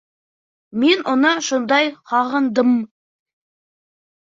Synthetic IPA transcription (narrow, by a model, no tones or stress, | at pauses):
me̞nʔʊnəʃond̪ɑjqʰɑʁənd̪əm